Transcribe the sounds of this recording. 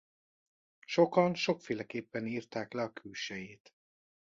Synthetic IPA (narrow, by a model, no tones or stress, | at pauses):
ʃo̞kɒnʃo̞kfeːlɛkeːpːɛniːrt̪aːklɛɒkʰylʃɛjeːt̪